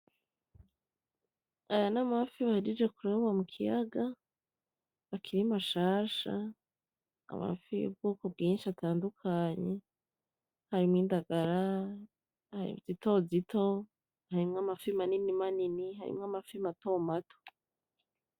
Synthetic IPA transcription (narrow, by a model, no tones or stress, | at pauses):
ajanamafiβahiɾid͡ʒe̞kuɾeβwamukʰijaɡa | βakʰiɾimaʃaːʃa̰ | a̰ma̰fḭbɡukub̚ɡiːnʃiatʰaːndukʰaɲe̞ | haɾimŋiːndaɡaɾa | haḭz̥ito̞zito̞ | haɾimŋamafimaninimaninihaɾḭmŋamafimato̞ːmato̥